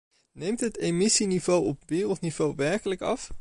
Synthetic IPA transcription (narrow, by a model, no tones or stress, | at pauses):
nejmtɦətejmɪsinivowɔpʋɪːrəlˠtniv̥owʋɛɹkələkɑf